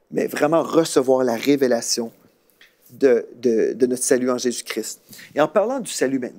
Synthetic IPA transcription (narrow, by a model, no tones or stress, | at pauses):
mɛ̰vʁɛmɑ̃ʁəsəvwaːʁlaʁevelasjɔ̃ | d̪əd̪əd̪ənɔt̪χsalyɑ̃ʒezykʲχɪst̪̚eɑ̃paʁlɑ̃d̪ysalymɛ̃t̪n